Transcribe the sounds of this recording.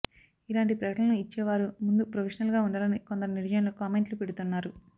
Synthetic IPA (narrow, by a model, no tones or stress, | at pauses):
ilaːɳʈipɾɐkɐɽɐɐnuit͡ʃːɛːʋaːɾumund̪upɾopʰeːʂɐnɐlɡaːuɳɖalɐniko̞nd̪ɐɾuniɾɐd͡ʒɐjɐnloːkaːme̞ɳʈlupeɽut̪unːaːɾu